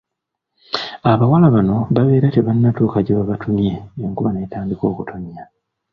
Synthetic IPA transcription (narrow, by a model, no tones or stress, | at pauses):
aβawalaβano̞βaβe̞ːɾate̞βanːatuːkaɟeβaβatʰumje̞joːŋkuβane̞ːtaːndiko̞ːkutʰumja